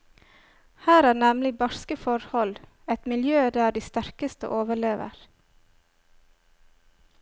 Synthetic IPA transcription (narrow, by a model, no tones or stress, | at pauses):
hæːɾæːnɛmlɪbɑɾskəfɔɾhɔl | ɛt̪mɪljøːd̪æːɖiːst̪æɾkəst̪ə̰ʔoːʋəɭeːʋə̰ɾ